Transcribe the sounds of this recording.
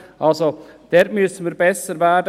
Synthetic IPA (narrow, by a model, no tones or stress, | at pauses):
ʔalzod̥ɛtmʏsən̩viːɾbɛsəɾvɛd